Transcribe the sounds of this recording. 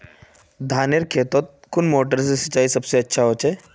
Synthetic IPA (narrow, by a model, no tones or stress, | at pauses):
d̪ʱaneɾkʰet̪ot̪̚kunmoːʈəɾsesət͡ɕaːiːsəbseətːʃʰaɦot͡ɕe